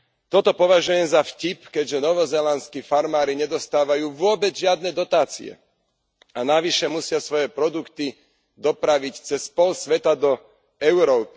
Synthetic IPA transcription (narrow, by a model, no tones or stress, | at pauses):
t̪ɔt̪ɔpɔʋaʒujɛmzafcipkɛɟʒɛnɔʋɔzɛlanskiːfaɾmaːɾiɲɛd̪ɔst̪aːʋajuːʋʊɔbɛd͡zʒɪad̪nɛd̪ɔt̪aːt͡sḭɛ̰ | anaʋiʃɛmusɪasʋɔjɛpɾɔd̪ukt̪i | d̪ɔpɾaʋict͡sɛspɔlsʋɛt̪ad̪ɔ | ɛʊɾɔːpi